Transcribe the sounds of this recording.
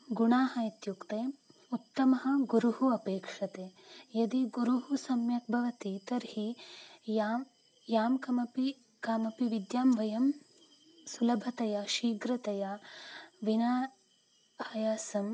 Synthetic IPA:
ɡuɳaːɦɐit̪jukt̪eːut̪ːɐmɐɦɐ̆ɡuɾuɦuɐpeːkʂɐt̪eːjɐd̪iɡuɾuɦusɐmjɐk̚bʱɐʋɐt̪it̪ɐɾɦijaː | jaːmkɐmɐpi | kaːmɐpiʋid̪jaːmʋɐjɐm | sulɐbʱɐt̪ɐjɐʃiːɡɾɐt̪ɐja | ʋinaː | ɐːjaːsɐm

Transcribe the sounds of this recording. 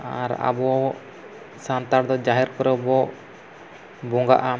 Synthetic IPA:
aɾa̰bɔ | sant̪aɾd̪ɔd͡ʒaɦɛɾkɔɾɔbɔ | bɔŋɡaʔa

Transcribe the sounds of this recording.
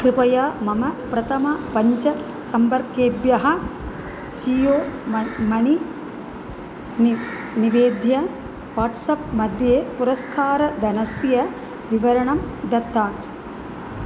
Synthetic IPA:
kɾɪpɐjaːmɐmɐpɾɐt̪ʰɐmɐpɐɲt͡ʃɐ | sɐmpɐɾkjeːbjɐɦɐ̆ | d͡ʒiːjoːmɐɳi | n | niʋeːd̪ʱjɐ | ʋaːʈsɐp̚mɐd̪ʱjeːpuɾɐskʰaːɾɐd̪ɐnɐsjɐ | ʋiʋɐɾɐɳɐmd̪ɐt̪ːaːt̪

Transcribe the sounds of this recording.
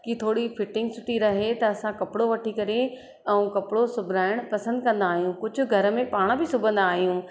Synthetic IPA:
kit̪ʰoːɽifɪʈɪ̃ŋɡsʊʈʰiɾɐɦet̪ɐːsãkɐpɪɽoʋɐʈʰikɐɾe | ɛ̃ũkɐpɪɽosʊbʱɪɾaːɪɽ̃pɐsə̃nd̪̚kɐ̃nd̪aːɦijũkʊd͡ʑʱʊ̆ɡʱɐɾəmẽpaːɽ̃bɪsʊbʱə̃nd̪aːɦijũː

